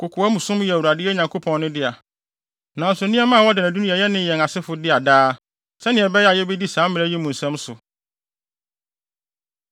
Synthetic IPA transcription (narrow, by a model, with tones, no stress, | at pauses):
kʰʊ˨kʰʊ˨ɛ˦mũ˨sʊ̃˦m˦jɛ˨wu˨a˨dɪ˦ɛ˦ɲã˨ŋkʰo˦pʰɔ̃˨nː˦ʊ̃˦dɪ˦a˨ | nã˨n̩˦sʊ˨nĩ˦ɛ˦mã˦˨wɔ˦dɪ˨næ̃˨du˦nũ˦ɛ˨jɛ˦nɪ̃˦jɛ̃˨ŋa˨sɪ˦fʊ˨dɪ˦a˨daː˦ | sɛ˦nɪ̃˨ɛ˨bɛ˦ja˨jɛ˦bɛ˦di˦sãː˨˦mːɪ̃˨ɛ˦ji˦mũ˨n̩˨sɛ̃˦msʊ˨